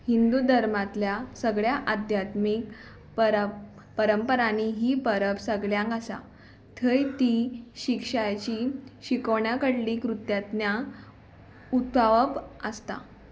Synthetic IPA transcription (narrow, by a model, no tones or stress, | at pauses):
hind̪ud̪ʱəɾmat̪ljasəɡɭjaʔad̪ʱjat̪mik | pəɾ | pəɾəmpəɾaniɦiːpəɾəpsəɡɭjãŋkasa̰ | t̪ʰəjt̪iɕikʂajt͡ɕiːɕikəʋɳjakəɽlikɾut̪jat̪nja | ut̪aʋəpəst̪a̰